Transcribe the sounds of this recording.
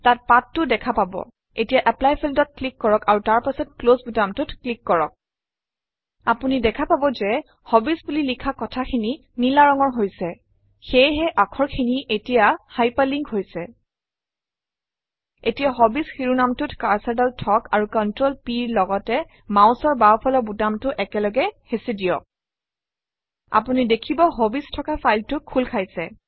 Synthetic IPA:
tat̚patːʊdɛkʰapabɔ̰ | etijaʔɛplajpʰildɔt̚klikːɔɹɔkaɹutaɹpasɔtklosbutamtʊtʰklikːɔɹɔk̚ | apunidɛkʰapabɔzɛ | hɔbisbulilikʰakɔtʰakʰini | nilaɹɔŋɔɹɦojsɛ | xejɦɛʔakʰɔɹkʰiniʔetijahajpaliŋɡɦojsɛ | etijaɦɔbisxiɹunamtʊtkaɹsadaltʰɔkaɹukɔntɹolpiɹlɔɡɔtɛ | mawsɔɹbapʰɔlɔbudamtʊʔɛkɛlɔɡɛhesidijɔ̰k̚ | a̰punidekʰibɔɦobistʰɔkafajltʊkʰːulkʰajsɛ

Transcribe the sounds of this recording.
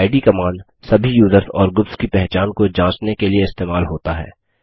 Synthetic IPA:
ɪɖikɐmaːn | sɐbʱijuːzəɾsɔ̰ːɾɡʊpskipɛɦt͡ʃaːnkod͡ʒãːt͡ʃnekelieɪst̪eːmaːlɦoːt̪aɦɛ̰ː

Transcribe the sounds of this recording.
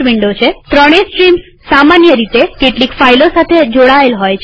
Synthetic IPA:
ʋiɳɖot͡ʃʰet̪ɾəɽ̃esʈɾims | samanjəɾit̪ekeʈlikfailosat̪ʰed͡ʒoɽaelɦojt͡ʃʰ

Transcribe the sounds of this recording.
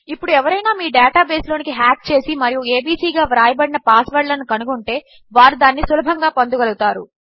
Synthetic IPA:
ipːuɽuɛʋɐɾɐjnaːmiːɖaːʈaːbe̞ːslo̞ːnikiɦaːk̚t͡ʃe̞ːsimɐɾijue̞ːbiːsiːɡaːʋɾaːjɐbɐɽinɐpaːsʋɐɽlɐnːukɐnuɡuɳʈe̞ː | ʋaːɾud̪aːnːisulɐbʱɐŋɡaːpɐnd̪uɡɐluɡut̪aːɾṵ

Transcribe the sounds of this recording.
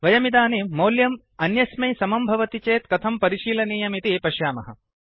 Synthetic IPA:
ʋɐjɐmid̪aːniːɐːljɐm | ɐnjɐsmɐjsɐmɐmbʱɐʋɐt̪it͡ʃeːt̪kɐt̪ʰɐmpɐɾiʃiːlɐniːjɐmit̪ipɐʃjaːmɐɦɐ

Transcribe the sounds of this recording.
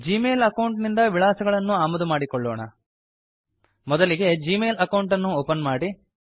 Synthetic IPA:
d͡ʒiːmeːlɐkɐwɳʈnind̪ɐʋiɭaːsɐɡɐɭɐnːuaːmɐd̪umaːɽikɔɭːo̰ːɳɐ̰ | mɔd̪ɐliɡe̞d͡ʒiːmeːlɐkɐwɳʈɐnːuoːpɐnmaːɽi

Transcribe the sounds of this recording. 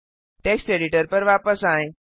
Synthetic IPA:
ʈeksʈeɖiʈəɾpəɾʋapəsaːẽ

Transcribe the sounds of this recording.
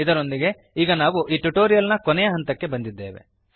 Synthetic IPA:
id̪ɐɾo̞nd̪iɡe̞ | iːɡɐnaːʋuʔiːʈuʈoːɾijɐlnɐkɔnɛjɐɦɐnt̪ɐkːe̞bɐnd̪id̪ːe̞̰ːʋe̞̰

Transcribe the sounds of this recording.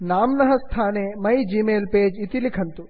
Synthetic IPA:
naːmnɐɦɐst̪ʰaːnemɐjd͡ʒiːmeːlpeːd͡ʒit̪ilikʰɐnt̪u

